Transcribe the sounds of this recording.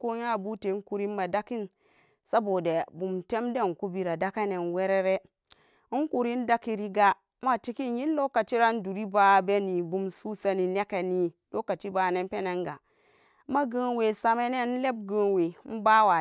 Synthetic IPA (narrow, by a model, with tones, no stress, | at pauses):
ko˦ɲa˦˨bu˦te˨˦ku˨ɾi˦ma˨da˦ki˦n | sa˦bo˨de˨bu˨mte˦mde˦˨ku˦bi˨ɾa˨da˦ka˦ne˨nwe˦ɾe˦ɾe˦ | ŋ˦ku˨ɾi˦n˦da˦ki˨ɾi˦ɡa˦ | ma˦ti˦ki˦nji˦n˦lo˦ka˨t͡ʃi˦ɾa˦n˦du˨ɾi˦ba˨˦be˦ni˨bu˨msu˦sa˦ni˨ne˦ke˨ni˨do˦ka˨t͡ʃi˦ba˨ne˦m˦pe˦ne˦ŋɡa˨˦ | ma˦ɡə˦we˨sa˨me˦ne˦n̩˦le˦b̚ɡə˨we˨˦m̩˦ba˦wa˨